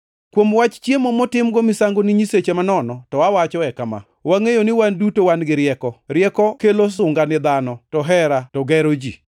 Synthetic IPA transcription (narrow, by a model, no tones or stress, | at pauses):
kwomwat͡ʃt͡ʃjemomotɪmɡɔmɪsaŋɡoniɲiset͡ʃemanɔnɔtɔwawat͡ʃɔɛkama̰ | waŋejonɪwandutowanɡɪɾjɛkɔɾjɛkɔkelos̬ʊŋɡanɪd̪anɔtɔɦɛɾatɔɡɛɾod͡ʒḭ